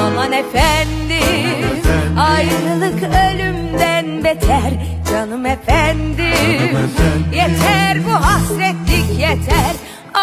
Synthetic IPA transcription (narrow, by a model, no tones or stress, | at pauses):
amanefænd̪i | ajɯɾɯlˠɯkølʲymd̪ænbet̪ʰæɾ | d͡ʒanɯmefænd̪ɪ | jet̪ʰæɾbuɦasɾɛt̪lʲikjet̪ʰæɾ